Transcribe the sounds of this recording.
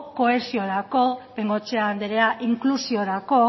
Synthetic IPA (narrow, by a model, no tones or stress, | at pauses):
ko̞e̞sio̞ɾako̞peŋɡo̞t͡ʃe̞and̪eɾe̞aʔiŋklusio̞ɾako̞